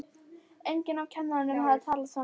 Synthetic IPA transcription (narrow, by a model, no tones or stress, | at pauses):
ʔɛŋkənavkʰamːɾaɳənɦaɾt̪ʰɑːlat̪sɔ